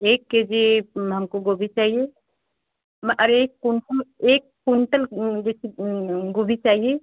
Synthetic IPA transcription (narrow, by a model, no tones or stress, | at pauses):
eːkːed͡ʒeɦəmkoɡobʱit͡ʃaːɦije | mʔəɾeːkkuɳʈəleːkːuɳʈəld͡ʒesiɡobʱit͡ʃaːɦije